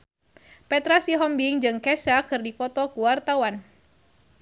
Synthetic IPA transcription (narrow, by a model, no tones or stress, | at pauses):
pɛt̪ɾasiɦɔmbiŋd͡ʒɨŋkɛsakɨrdifɔt̪ɔkuwart̪awan